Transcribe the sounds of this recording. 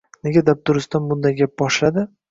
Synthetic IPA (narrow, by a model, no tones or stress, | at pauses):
neɡʲad̪ap̚t̪ʰʊɾɪsd̪anbʊnd̪ajɡʲap̚bɒʃlad̪ɪ